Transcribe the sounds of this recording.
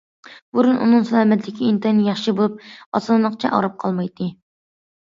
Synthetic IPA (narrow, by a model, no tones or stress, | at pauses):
buɾunʔṵnɨŋsɛlˠɑːmɛt̪lɪkʲʰiint̪ʰɑnjɑχʃibolˠup̚ɑ̰sɑllˠəqt͡ʃʰɛ̰ʔɑ̰ɾɑp̚qʰɑlˠmɑjt̪ʰːɨ